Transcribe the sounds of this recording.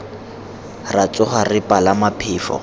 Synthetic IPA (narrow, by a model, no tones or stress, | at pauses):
rat͡sʼʊχarɪpʼalamapʰɪːfɔ̰